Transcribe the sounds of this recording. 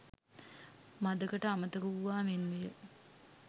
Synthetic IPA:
mad̪əkəʈəamət̪əkuuʋaːmenmijə

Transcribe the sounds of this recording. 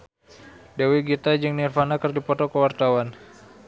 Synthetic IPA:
dawiɡit̪ad͡ʒɨŋnirfanakərdipɔt̪ɔkəwart̪awan

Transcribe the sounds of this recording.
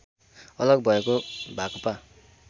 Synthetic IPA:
ʌlʌɡbʱʌekobʱakʌpa

